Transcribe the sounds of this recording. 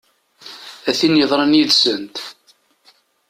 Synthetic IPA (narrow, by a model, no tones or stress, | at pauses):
æθinjəðˤɾˤənjiðsənt̪